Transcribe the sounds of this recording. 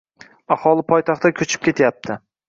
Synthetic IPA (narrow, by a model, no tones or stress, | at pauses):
ahɒlˠɪpʰɒjt̪ʰɑχt̪akʲʰɵt͡ʃʰɪ̥p̚kʲʰe̞t̪ʰjap̚t̪ʰɪ